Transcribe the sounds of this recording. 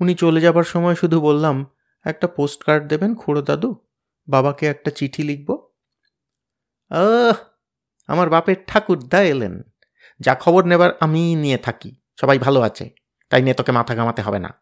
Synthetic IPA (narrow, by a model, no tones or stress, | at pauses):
unit͡ɕoled͡ʑabaɾʃɔmɔeʃud̪ʱubolːam | ɛk̚ʈaposʈkaɾɖ̚d̪ebenkʰuɽod̪ad̪u | babakeɛk̚ʈat͡ɕiʈʰiliɡ̚bo | a | a̰maɾbapeɾʈʰakuɾd̪aeelḛn | d͡ʑakʰɔboɾnebaɾaminiet̪ʰakḭ | ʃɔbajbʱaloat͡ɕʰḛ | t̪ajnet̪okemat̪ʰaɡamat̪eɦɔbena̰